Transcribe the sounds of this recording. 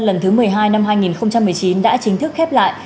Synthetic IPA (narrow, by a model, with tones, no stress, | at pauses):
lə˨˩nt̪ʰɨ˨˦mɨ˨˩əjɦaː˧jna˧mhaː˧jŋi˨˩nxə˧wŋ͡mt͡ɕa˧mːɨ˨˩əjt͡ɕi˨˦nɗa̰ː˧˥t͡ɕï˨˦ŋ̟t̪ʰɨ˦˥k̚xɛ˦˥p̚la̰ː˧˨j